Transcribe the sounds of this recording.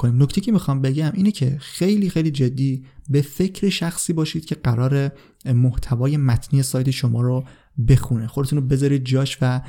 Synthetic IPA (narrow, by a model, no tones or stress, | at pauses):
kʰoniːmnoct̪ʰejicʰe̞mixɒːmbe̞ɟæmʔiːnecʰe̞̰xe̞jliːxejliːd͡ʒe̞d̪ːiːbe̞fe̞cʰɾeʃæxsiːbɒːʃiːd̪̚cʰe̞ɢæɾɒːɾe̞ | moht̪ʰævɒːje̞mæt̪ʰniːjesɒːjt̪ʰe̞ʃo̞mɒːɾo | be̞xunexod̪euːnobe̞zɒːɾiːd̪̚d͡ʒɒːʃvæ